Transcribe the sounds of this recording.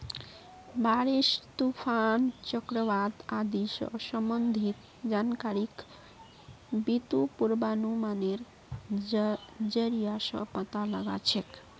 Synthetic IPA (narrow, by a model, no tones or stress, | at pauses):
baɾest̪upʰant͡ʃəkɾəʋad̪ad̪isʌ̰səmbənd̪ʱit̪ | d͡ʒankaɾik | bit̪upuɾbanumaneɾ | d͡ʒəɾijasʌ̰pət̪aləɡa̰t͡ʃʰek